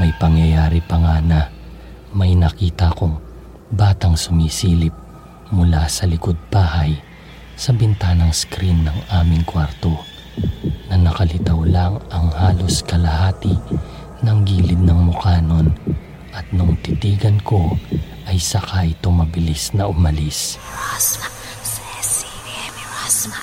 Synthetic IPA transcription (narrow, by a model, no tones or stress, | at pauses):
mɐjpɐŋjɐjaːɾipɐŋaːnɐ | mɐjnɐkiːt̪ɐkoŋ | baːt̪ɐŋsʊmisiːlɪp̚ | mʊlasɐlɪkod̪̚baːhɐj | sɐbɪnt̪aːnɐŋskɾinːɐŋaːmɪŋkwaɾt̪o̞ | nɐnɐkɐlɪt̪ɐwlɐŋɐŋhaːlo̞skɐlɐhaːt̪ɪ | nɐŋɡiːlɪd̪̚nɐŋmʊkaːno̞n | ʔɐt̪̚nʊŋt̪ɪt̪iːɡɐnko̞ʔɐjsɐkajt̪oŋmɐbɪlisnɐʔʊmɐlis